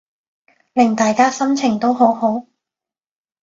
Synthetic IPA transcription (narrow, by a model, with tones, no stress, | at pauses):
lɪ˨˩ŋt̪aː˨jkaː˥sɐ˥mt͡sʰɪ˨˩ŋt̪o˥wɦo˨˥who˨˥w